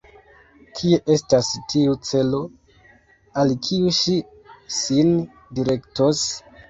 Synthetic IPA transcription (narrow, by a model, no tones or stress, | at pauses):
kʰie̞ʔestastʰiut͡se̞lo̞ | alkʰiuʃi | sin | diɾe̞ktos